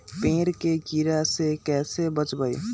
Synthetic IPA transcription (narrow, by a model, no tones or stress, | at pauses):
peːɾkeɡiɾasekɛːsebət͡ʃbəj